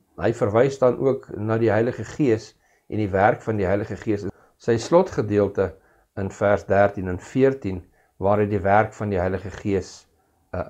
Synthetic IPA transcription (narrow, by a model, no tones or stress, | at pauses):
ɦə̰jfərvɛjsdɐnʔṵəknɑːdiɦəjləχəχiəs | ʔɛ̰ndiværkfɐndiɦəjləχəχiəsə | səjslɔtχədiəlˠtə | ənfærsdæːrtinənfiərtin | vɑːɾɦəjdiværkfɐndiɦəjləχəχiəs